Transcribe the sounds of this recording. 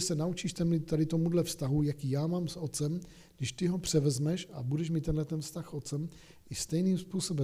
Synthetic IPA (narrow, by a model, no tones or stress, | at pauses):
sɛnaut͡ʃiːʃt̪ɛmlɪt̪t̪adɪt̪o̞mudlɛfst̪aɦujakiːjaːmaːmsʔo̞t̪t͡sɛm | ɡdɪʃt̪ɪɦo̞pr̝̥ɛvɛzmɛʃabudɛʃmit̪ːɛnɦlɛt̪ɛnfst̪axʔo̞t̪t͡sɛm | ɪst̪ɛjniːmspuːso̞bɛ